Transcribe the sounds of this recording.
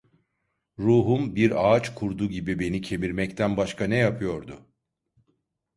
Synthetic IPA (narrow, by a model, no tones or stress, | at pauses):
ɾuːɦumbiɾaːt͡ʃkʰuɾd̪uːɟibibe̞nicʰe̞miɾmɛct̪ʰænbaʃkʰanɛjapʰɯjo̞ɾd̪ʊ